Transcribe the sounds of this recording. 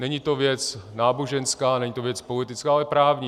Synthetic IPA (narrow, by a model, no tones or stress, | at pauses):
nɛɲit̪o̞vjɛt͡snaːboʒɛnskaːnɛɲiːt̪ovjɛt͡spo̞lɪt̪ɪt͡skaːalɛpɾaːvɲi